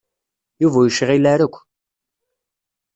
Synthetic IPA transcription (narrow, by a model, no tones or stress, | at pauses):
juvæjəʃʁilæɾəkʷː